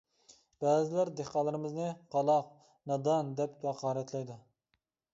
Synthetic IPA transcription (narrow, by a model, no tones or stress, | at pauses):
b̥æːzɪlæɾd̪eqɑlˠɨɾɪmɪznɨqʰɑlˠɑq | nɑd̪ɑnd̪ɛp̚kʲɑqʰɑːɾɛt̪ʰlɛjd̪u